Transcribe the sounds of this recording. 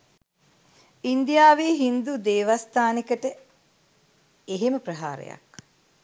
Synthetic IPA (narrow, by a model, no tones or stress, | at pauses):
ind̪ijaːʋiːɦind̪ud̪eːʋast̪aːnikəʈə | eɦeməpɾɐɦa̰ːɾḛja̰k